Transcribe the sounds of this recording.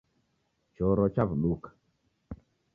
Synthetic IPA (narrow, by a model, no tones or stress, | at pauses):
t͡ʃɔɾɔt͡ʃavluk